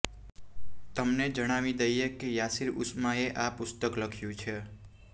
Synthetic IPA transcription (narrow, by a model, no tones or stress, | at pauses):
t̪əmned͡ʒəɽ̃amid̪ejjekijasiɾṵsmaeʔapust̪əkləkʰjut͡ʃʰe